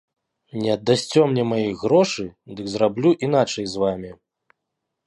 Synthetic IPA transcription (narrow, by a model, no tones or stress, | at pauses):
nʲɛɐd̪ːasʲt͡sʲɔmnʲɛmajiɣɾɔʂɨd̪ɨkzrablʲuʔinat͡ʂɐjzvamʲi